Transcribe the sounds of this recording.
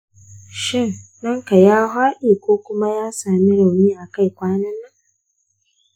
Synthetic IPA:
ʃɪ˦˨nː | ɐ˦ŋka˨jaː˦ɦaː˦ʔiː˨kʷoː˦kʷʊ˦ma˦jaː˦saː˨mi˦ɽa˨wniː˦ʔa˨ka˦jkʷaː˦nɐ˦nːɐ˦ŋ

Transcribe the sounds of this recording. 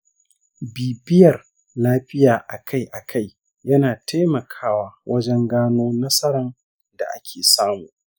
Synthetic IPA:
biː˨bɪ˦jɐ˨r | laː˦ɸɪ˦jaː˨ʔa˨kʰa˦jʔa˨kʰa˦˨j | jɐ˦naː˨tʰa˦jmɐ˨kʰaː˦waː˦wʔɐ˦d͡ʒɛ˦ŋɡaː˦noː˦nɐ˦sɐ˦ɾɐ˨n | da̰˨ʔa̰˦kʲʰeː˨saː˦muː˨ʔ

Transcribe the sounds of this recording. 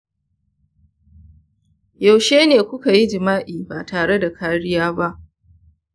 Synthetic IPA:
ja˨wʃeː˦neː˨kʷʊ˦ka˨ji˦d͡ʒɪ˨maː˦ʔiː˨baː˨taː˨ɽe˦da˨kaː˦ɽɪ˦jaː˦ba˦ʔ

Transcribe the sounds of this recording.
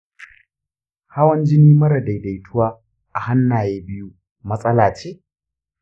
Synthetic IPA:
ha˦wɐ˦nd͡ʒɪ˦niː˦mɐ˦ɾɐ˨da˨jda˨jtʰʊ˦waː˦ | ʔa˨ha˦nːaː˨jeː˦bɪ˦ju˦ | mɐ˦sʼɐ˦laː˨t͡ʃeː˦˨

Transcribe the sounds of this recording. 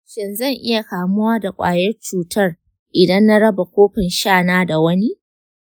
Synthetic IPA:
ʃɪ˨nzɐ˦˨ŋʔɪ˦ja˨kaː˨mʊ˦waː˦da˨kʷʼa̰ː˨jɐ˦rt͡ʃuː˨tɐ˦˨r | ʔɪ˨dɐ˦nːa˦ɽɐ˦ba˨kʷoː˦ɸɪ˨nʃaː˦˨naː˦da˨wɐ˦ni˦ʔ

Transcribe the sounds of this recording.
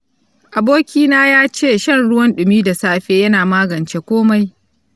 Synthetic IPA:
ʔa˨boː˦kʲiː˦naː˦jaː˦t͡ʃeː˦˨ʃɐ˦nɽʊ˦wɐ˦nɗʊ˨miː˦da˨saː˦ɸeː˦jɐ˦naː˨maː˦ɡɐ˨nt͡ʃe˦kʷoː˦ma˦j

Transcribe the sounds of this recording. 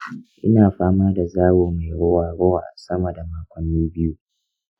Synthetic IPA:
ʔɪ̰˦naː˨ɸaː˦maː˦da˨zaː˦woː˨ma˨ɽʊ˦waː˨ɽo˦wa̰ː˨sɐ˦mɐ˨da˨maː˨kʷʼɐ˨nːiː˦bɪ˦ju˦

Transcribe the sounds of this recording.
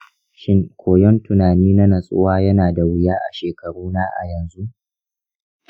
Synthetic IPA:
ʃɪ˦ŋkʷʰoː˨jɔ˦ntʊ˨naː˨niː˦na˦nɐ˨sʼʊ˦waː˦jɐ˦naː˨da˨wɪ˨jaː˦ʔa̰˨ʃeː˨kɐ˨ɽuː˦na˦ʔa̰˨jɐ˨nzu˦ʔ

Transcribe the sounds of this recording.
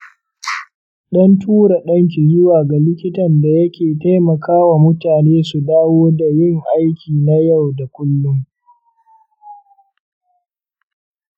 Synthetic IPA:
ɗɐ˦ntʰuː˦ɾa˨ɗɐ˦ŋk̬ʲi˨zʊ˦waː˨ɡa˨lɪ˦kʲɪ˦tɐ˨nda˨jɐ˦kʲeː˨ta˦jmɐ˨kʰaː˦wa˨mʊ˦taː˨neː˦su˨daː˦woː˦da˨jɪ˦ŋʔa˦jkʲiː˨na˦ja˦˨wda˨kʷʊ˦lːʊ˦ŋ

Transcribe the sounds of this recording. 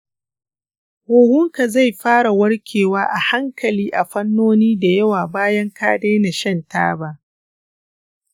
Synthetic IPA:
woː˨hʊ˦ŋka˨za˦˨jɸaː˦ɽa˨wɐ˦ɽkʲʰeː˨waː˦ʔa˨ha˦ŋkʰɐ˨liː˦ʔa˨ɸɐ˦nːoː˦niː˦da˨jɐ˦waː˨baː˦jɐ˦ŋkaː˦deː˦na˨ʃɐ˦˨nta̰ː˦ba˦ʔ

